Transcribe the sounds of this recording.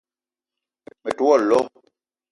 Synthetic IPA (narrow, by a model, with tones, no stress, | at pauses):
me˨tu˦ɔ˦˨lɔ˦